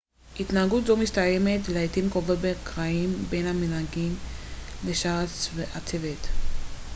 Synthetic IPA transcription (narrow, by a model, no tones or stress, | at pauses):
ʔit̪naaɡut̪zomistaje̞me̞t̪leet̪imkovotbekʁaimbe̞nhaminhaɡimleʃaat͡sveʔat͡sevet̪